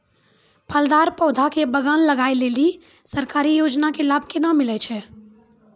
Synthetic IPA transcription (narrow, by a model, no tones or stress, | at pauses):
pʰəld̪aːɾpɔːd̪ʱakebəɡaːnləɡaːeleːli | səɾkaːɾijoːd͡ʒnakelaːb̚ʱkenamɪlɛt͡ʃʰɛ